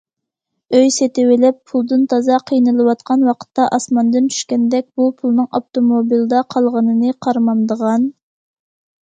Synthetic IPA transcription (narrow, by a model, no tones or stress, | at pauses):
øjset̪ɪwɪlɪpʰulˠd̪ɨnt̪ʰɑzɑqʰijnɨlˠɨwɑt̪̚qʰɑnwɑqʰə̥t̪ːɑʔɑsmɑnd̪ɨnt͡ʃʰy̥ʃkʲɛnd̪ɛk̚ʲbupʰulˠnɨŋoft̪ʰomobild̪ɑqʰɑlˠʁənɨnɨqʰɑɾmɑmd̪əʁɑn